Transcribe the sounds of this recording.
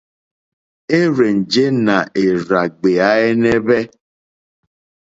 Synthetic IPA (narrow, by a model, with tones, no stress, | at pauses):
e˦ɾe˨n̩˨d͡ʒe˦na˨ʔe˨ɾa˨ɡ͡be˨a˦e˦ne˦be˦